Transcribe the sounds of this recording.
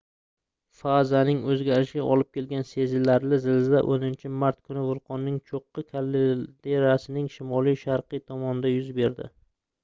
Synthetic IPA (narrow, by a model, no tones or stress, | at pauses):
fazanɪŋɵzɡʲaɾɪʃɪɡʲa̰ʔɒlˠɪp̚kʲʰe̞lɡʲanse̞zɪlːaɾlɪzɪld̪aʔonɪnt͡ʃʰɪmaɾt̪̚kʰʊnɪvʊlˠqʰɒnːɪŋt͡ʃʰoqːɨkʲʰalːd̪eɾasɪnɪŋʃɪmɒlˠijʃaɾqɨt̪ʰɒmɒnɪd̪ajʊzbe̞ɾd̪ɪ̰